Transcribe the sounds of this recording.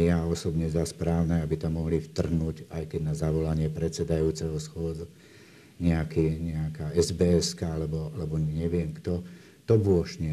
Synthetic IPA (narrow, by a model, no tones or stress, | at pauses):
jaɔsɔbɲɛzaspɾaːʊnɛabit̪amːɔɦlift̪r̩ɦnuɟajkɛɟnazaʋɔlaɲɪɛpɾɛt͡sɛd̪ajuːt͡sɛɦɔsxʊɔd͡z | ɲɛakiːɲɛakaːɛzbɛːɛskaalɛbɔalɛbɔɲɛʋɪɛmkt̪ɔ | t̪ɔbʊɔʃɲɛ